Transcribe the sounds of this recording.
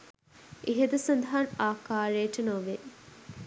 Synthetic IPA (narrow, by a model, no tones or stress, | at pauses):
ʔeɦed̪ɐsɐnd̪ɐɦɐnaːkaːɾeːʈɐnoʋe